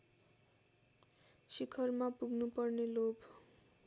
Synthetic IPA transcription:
sikʰʌrmapuɡʱnupʌrnelob

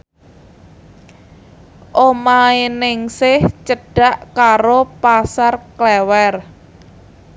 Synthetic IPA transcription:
ʔomaenɪŋsɪht͡ʃəɖ̥a̤ʔkaɾopasarklɛwɛr

